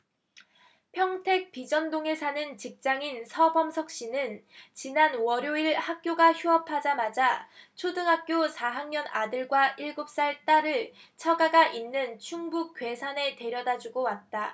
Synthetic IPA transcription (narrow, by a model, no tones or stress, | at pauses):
pʰjʌŋtʰe̞k̚pid͡ʑʌndoŋe̞sʰanɯnt͡ɕik̚t͡ɕ͈aŋinsʰʌbʌmsʰʌk̚ɕ͈inɯnt͡ɕinanwʌɾjoiɭhak̚k͈joɡaçjuɦʌpʰad͡ʑamad͡ʑat͡ɕʰodɯŋɦak̚k͈josʰaɦaŋɲʌnadɯɭɡwaʔiɭɡup̚s͈aɭt͈aɾɯɭt͡ɕʰʌɡaɡaʔinːɯnt͡ɕʰuŋbuk̚k͈we̞sʰane̞te̞ɾjʌdad͡ʑuɡowat̚t͈a